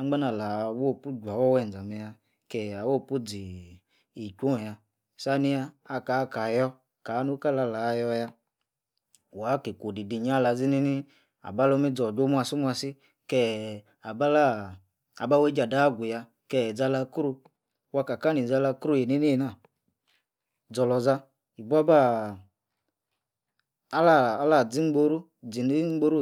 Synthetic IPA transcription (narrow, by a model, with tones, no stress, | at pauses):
a˦ɡ͡ba˦na˨la˨˦wo˦˨pu˦d͡ʒʷa˨wɔ˦wɛ˧˨n˨d͡za˨mɛ˧ja˧ | kɛ˨a˨wo˦˨pu˦d͡zi˨ | i˨kʷo˦˨ja˧ | sa˦ni˧jaː˧ka˨˦ka˨jɔ˧ | ka˨˦nu˦ka˦˨la˧˨la˨˧jɔ˧ja˧ | wa˨˦ke˨kʷo˨di˨di˨ɲ˦a˦la˧˦d͡zi˦ni˦ni˦ | a̰˨ba˦lɔ˦mi˦d͡zɔ˨d͡ʒo˦mu˦a˧˨su˦mʷu˦a˧si˦ | kɛ˦˨ | a˨ba˦la˦˨ | a˨ba˦we˦d͡ʒa˨da˦˨ɡʷu˨ja˧ | kɛ˦˧˨d͡za˧la˧kɾu˧ | wa˧ka˨ka˦ni˨d͡za˧la˧kɾu˦˨je˨ni˦ni˦˨na˦˨ | d͡zɔ˧lɔ˧za˧ | i˨bu˦a˦ba˦˨˦ | la˦˨˦la˦˨d͡zi˨˦ŋ͡mɡ͡bo˧ɾu˦ | d͡zi˨ni˦ŋ͡m̩˦ɡ͡bo˦ɾu˦